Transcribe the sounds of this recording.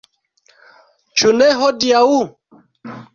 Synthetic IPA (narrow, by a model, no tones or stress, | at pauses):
t͡ʃunɛɦɔdiau